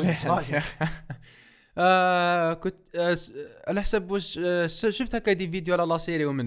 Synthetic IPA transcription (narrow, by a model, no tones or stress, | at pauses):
kʊt̪ | ʕalæħsæbʃəʃəft̪hækhæd̪ivid̪juʕlælɑsˤiɾiwmən